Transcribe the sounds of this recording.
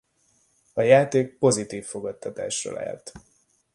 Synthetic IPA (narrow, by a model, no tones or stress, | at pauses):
ɒjaːt̪eːk̚po̞zit̪iːfːo̞ɡɒt̪ːɒt̪a̰ːʃro̰ːla̰ːlt̪